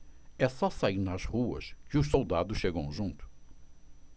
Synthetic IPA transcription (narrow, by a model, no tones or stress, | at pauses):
ɛsɔsaiɾnɐzhuɐ̰skɪʊʃsowd̪ad̪ʊsʃeɡɐ̃w̃ʒũnt̪ʊ̥